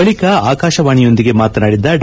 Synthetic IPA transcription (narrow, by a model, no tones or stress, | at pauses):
ɐɭikɐaːkaːʃɐʋaːɳijo̞nd̪iɡe̞maːt̪ɐnaːɽid̪ːɐɖ